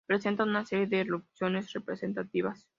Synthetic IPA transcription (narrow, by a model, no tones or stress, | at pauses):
pɾe̞se̞nt̪anunase̞ɾjeðeːropsjo̞ne̞srepɾese̞nt̪at̪iβas